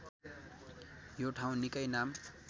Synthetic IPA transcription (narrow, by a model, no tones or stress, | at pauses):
joʈʰaw̃nikʌjnam